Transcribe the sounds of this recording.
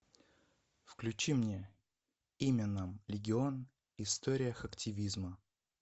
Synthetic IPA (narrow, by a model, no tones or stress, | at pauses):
fklʲʉt͡ɕimnʲe | imʲənamlʲɪɡʲɪo̞n | ɪst̪oɾʲɪjəxɐktʲɪvʲizmə